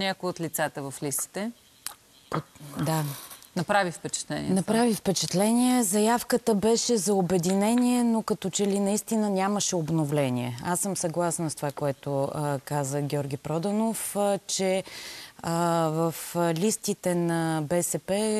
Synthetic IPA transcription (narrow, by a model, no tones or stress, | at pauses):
nʲakojot̪lit̪sat̪əvɐflist̪i̥t̪ɛ | pod̪anɐpɾavifpɛt͡ʃɛ̥t̪lɛ̰nʲḭːnɐpɾavifpɛt͡ʃɛt̪lɛnʲiɛzɐjafkət̪əbɛʃɛzɐobɛd̪inɛniɛnokɐt̪ɔt͡ʃɛlinɐist̪inənʲaməʃɛobnovlɛnʲiɛ̰asːəmsɐɡlˠasnəst̪ovakoɛt̪okazəɡʲɔɾɡ̟ʲipɾɔd̪ənoft͡ʃɛ | vəflʲist̪it̪ɛnɐbɛsɛpɛ